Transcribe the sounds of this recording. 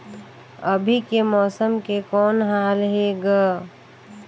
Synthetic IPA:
əbʱikemɔːsəmkekɔːnɦaːlɦeɡaː

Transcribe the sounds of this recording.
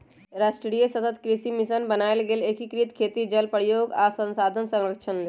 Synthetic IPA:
ɾaːʃʈɾɾijesət̪ət̪kɾɪsimɪʃənbənaːelɡeːlekikɾit̪kʰeːt̪id͡ʒəlpəɽjoːɡaːsə̃nsaːd̪ʱənsə̃ŋɾəkʃʰənle

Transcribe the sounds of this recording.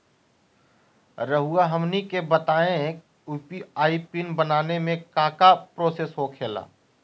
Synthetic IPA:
ɾəɦuaɦəmnikebət̪aːẽk | uːpiaːipɪnbənaːnemẽkaːkapɾoːsesɦoːkʰeːla̰ː

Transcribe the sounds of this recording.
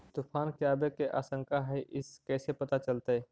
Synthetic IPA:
t̪upʰankiabekeʔa̰ːsəŋkaɦəjʔɪskɛsepət̪at͡ʃəlt̪əj

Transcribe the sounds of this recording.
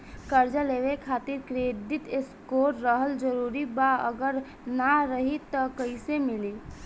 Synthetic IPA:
kəɾd͡ʒaleʋekʰat̪iɾkɾed̪ʱit̪eskoɾːəɦəld͡ʒəɾuɾibaə̰ɡəɾ | naɾəɦit̪ːɔkəɪsemili

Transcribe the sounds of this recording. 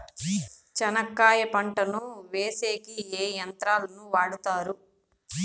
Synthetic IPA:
t͡ʃɐnɐkːaːjɐpɐɳʈɐnuʋeːseːkieːjɐnt̪ɾaːlɐnuʋaːɽut̪aːɾu

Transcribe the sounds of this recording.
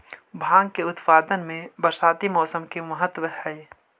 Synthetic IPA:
bʱãːɡkeʊt̪paːd̪ənmẽbɐɾsaːt̪imɔːsəmkeməɦət̪ːwəhɛː

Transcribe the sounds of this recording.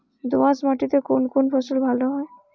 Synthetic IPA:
d̪oãsmaʈit̪ekonkonfʰɔsulbʱaloɦɔe

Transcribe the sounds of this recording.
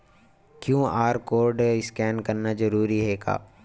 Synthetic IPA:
kjũːaːɾkoːɾɖɪskɛːnkɐɾnazɐɾuːɾiɦɛːɡa̰ː

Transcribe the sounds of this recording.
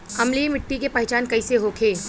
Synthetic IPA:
hɐmlimɪʈːikepɐɦt͡ʃaːnkɐiseɦokʰeː

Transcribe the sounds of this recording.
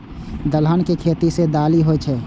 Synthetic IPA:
d̪əlɦənkekʰeːt̪ised̪aːliɦoɛt͡ʃʰɛː

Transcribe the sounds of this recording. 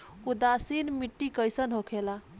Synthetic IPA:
ud̪asinmiʈːikəjsənɦokʰela

